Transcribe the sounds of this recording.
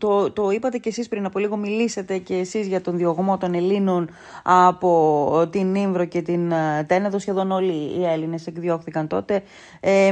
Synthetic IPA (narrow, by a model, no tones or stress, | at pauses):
t̪ot̪o̞ipɐt̪e̞ceːsispɾinɐpo̞liɣo̞milise̞t̪e̞ce̞ːsizʝɐt̪o̞nðio̞ɣmo̞t̪o̞ne̞linon | ɐpo̞t̪iniɱvɾo̞ce̞t̪int̪e̞neðo̞sçe̞ðo̞no̞liːe̞line̞se̞kðjo̞xθikɐnt̪o̞t̪e̞ | e